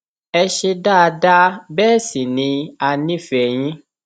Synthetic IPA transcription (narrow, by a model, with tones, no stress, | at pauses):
ɛ˧ʃe˧da˦˧da˦bɛː˦˨si˨nĩ˧˦a˧nĩ˦fɛ˨j̃ĩ˦